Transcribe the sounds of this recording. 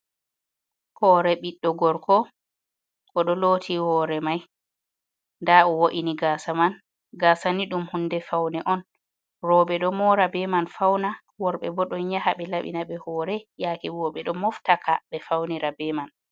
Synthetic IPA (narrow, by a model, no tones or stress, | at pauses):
hɔɾɛɓiɗːɔɡɔɾkʰɔ | kɔɗɔloːtʰihɔːɾɛmaj | ndaʔɔwoʔiniɡaːsaman | ɡaːsaniɗumhundɛfawnɛʔɔn | ɾɔɓɛɗɔmɔɾabɛmanfawna | wɔɾɓɛ̰bɔɗɔnɲahaɓɛlaɓḭnaɓɛhɔːɾɛjakiwɔɓɛɗɔmɔftakʰaɓɛfawniɾabɛman